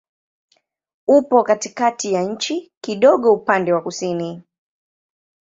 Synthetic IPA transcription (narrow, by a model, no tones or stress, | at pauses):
upɔkatikatijaɲ̩t͡ʃikiɗɔɠɔupandɛwakusini